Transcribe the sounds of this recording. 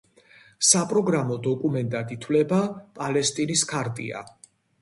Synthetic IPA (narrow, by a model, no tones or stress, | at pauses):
sapʼɾɔɡɾamɔd̪ɔkʼumɛnt̪ʼad̪it̪ʰwlɛbapʼalɛst̪ʼiniskʰaɾt̪ʼḭa̰